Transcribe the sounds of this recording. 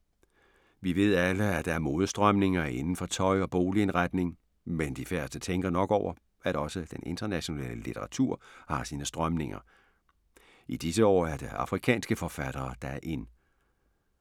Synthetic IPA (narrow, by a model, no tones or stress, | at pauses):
ʋiʋe̝ð̞̰ˠæləæd̥ɑæɐmo̝ːð̞ˠəsd̥ʁɶmne̝ŋɐe̝nn̩fɒ̽t͡sʰɒ̽ɪɒ̽b̥o̝ːlie̝nʁad̥ne̝ŋ | mend̥ifæɐsd̥ət͡sʰeŋɡ̥ɐnɒ̽ɡ̥ɒʊɐ | æɾɒ̽səd̥enʔe̝nd̥ɐnæɕo̝nɛ̰ːləlit͡sʰeʁɑ̈t͡sʰuɐ̰hɑ̈siːnəsd̥ʁɶmne̝ŋɐ̰ | id̥isəɒ̰ːæɐd̥e̝ɑ̈fʁikʰɛ̰ːnsɡ̥əfɒ̽fæɾ̥ɐːd̥ɑʔe̝n